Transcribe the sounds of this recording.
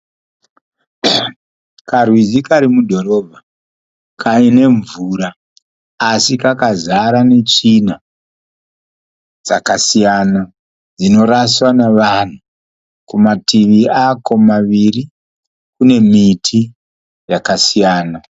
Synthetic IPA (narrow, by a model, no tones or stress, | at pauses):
karwid͡zikaɾimudʱo̞ɾo̞ːbʱa | kʰaine̞ɱvuɾaː | sikakazaɾane̞t͡ʂina | d͡za̰kasijana | d͡zino̞ɾaswaneʋan̤u | kumatiʋiako̞maʋiri | kune̞mitʰi | jakasijaːna